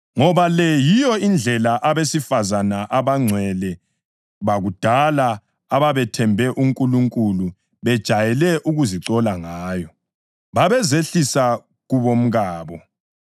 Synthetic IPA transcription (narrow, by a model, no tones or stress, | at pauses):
ŋɔβalɛjijɔind͡ɮʱɛlaʔaβesifazanaʔaβaŋ͡ǀʱwɛlɛ | βaɣud̥ʱala | aβaβɛtʰɛmbʱɛʔuŋkʼuluŋkʼulu | βɛd̥ʒ̥ʱajɛlɛʔuɣuziǀɔlaŋaːjɔ | βaβɛzeɬisa | ɣuβom̩ɣaːβɔ